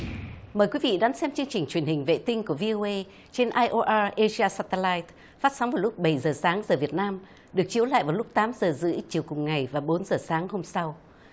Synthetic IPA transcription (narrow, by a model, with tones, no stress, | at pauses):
məː˨˩jkwi˨˦vḭ˧˨ɗa˨˦nsɛ˧mt͡ɕɨ˧əŋt͡ɕï˨˩ŋ̟t͡ɕwi˧˩ənhï˨˩ŋ̟vḛ˧˨t̪ï˧ŋ̟ku˧˩əvi˧ʔo˧ʔe˧ | t͡ɕe˧nʔaː˧jʔo˧ʔaː˧ʔe˧zi˧aː˧saː˧t̪ə˧laː˧jt | faː˦˥t̚sa˨˦wŋ͡mvaː˨˩wlʊ˦˥k͡p̚ɓə˧˩jzəː˨˩saː˨˦ŋzəː˨˩vi˨˩ət̚naː˧m | ɗɨ˨˩ək̚t͡ɕi˨˦əwla̰ː˧˨jvaː˨˩wlʊ˦˥k͡p̚t̪aː˨˦mzəː˨˩zɨ̰˧˥t͡ɕi˨˩əwkʊ˨˩ŋ͡mŋa˨˩jvaː˨˩ɓo˨˦nzəː˨˩saː˨˦ŋho˧msa˧w